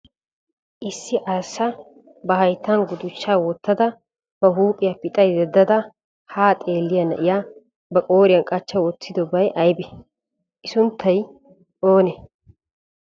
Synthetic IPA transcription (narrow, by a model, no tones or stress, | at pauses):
ʔɪsːɪʔaːsːɐ | bɐɦɐjt̪ːɐnɡʊd̪ʊt͡ʃːaːwɔt̪ːɐd̪ɐ | bɐɦuːpʼɪjɐpɪt̪ʼɐjd̪ɛd̪ːɐd̪ɐ | haːt̪ʼe̞ːlːɪjɐnɐ̰ʔɪja | bɐkʼo̞ːɾɪjɐnkʼɐt͡ʃːɐwɔt͡sːɪd̪ɔbɐjʔɐjbɛ | ʔɪsʊnt̪ʰːɐj | ʔoːnɛ